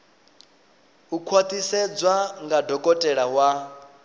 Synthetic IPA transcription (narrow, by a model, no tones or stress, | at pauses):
ukʰwat̪ʼisɛd͡zwaŋɡadɔkʼɔtʼɛɺawa